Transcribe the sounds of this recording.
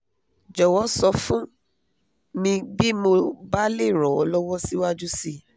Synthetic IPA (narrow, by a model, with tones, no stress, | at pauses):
d͡ʒɔ˨wɔ˦sɔ˧fũ˦ | nĩ˧bi˦mo˧ba˦le˦˨ɾɔ˨ɔ˨˧˦lɔ˦wɔ˦si˦wa˦d͡ʒu˦si˧